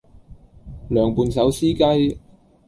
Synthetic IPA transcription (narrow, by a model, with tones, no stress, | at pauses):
lœː˨ŋpuː˨˧nsɐ˨˥wsiː˥kɐ˥j